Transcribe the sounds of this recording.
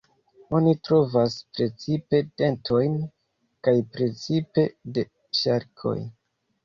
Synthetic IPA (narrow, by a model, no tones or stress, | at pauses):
o̞nitɾo̞vaspɾe̞t͡sipe̞de̞ntʰo̞jn | kajpɾe̞t͡sipe̞de̞ | ʃaɾkʰo̞̰j